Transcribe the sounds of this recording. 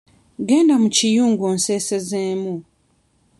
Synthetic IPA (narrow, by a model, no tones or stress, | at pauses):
ɡeːndamucijuːŋɡoːnseːsezeːmu